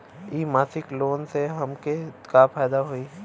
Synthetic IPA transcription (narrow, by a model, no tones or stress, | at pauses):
iːmaːsɪkloːnseɦɐmkekapʰaːd̪aɦoi